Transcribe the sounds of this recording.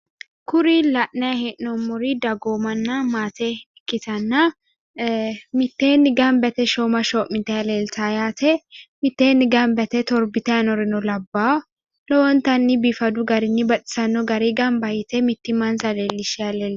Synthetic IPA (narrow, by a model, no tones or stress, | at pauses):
kʊɾilɐʔnɐjɐhɛʔnɔmːɔɾid̪ɐɡoːmɐnːɐmaːt̪ɛ | kːɪt̪ɐnːɐ | mɪt̪ːeːnːɪɡɐmbɛt̪ɛʃoːmɐʃoːʔmɪnt̪ːɛɐleːlt̪ajaːt̪ʰɛmɪt̪ːeːnːɪɡɐmbɛt̪ɛt̪ɔɾbɪt̪ɐjɐnɔɾɪnɔlɐbːaː | lɔwɔnt̪ɐnːɪbifɐd̪ʊɡɐɾɪnːɪbɐt̪ʼɪ̥sɐnːɔɡɐɾiɡɐmbɐjɪt̪ɛmɪt̪ːɪmɐnzɐleːlːɪʃɛɐleːl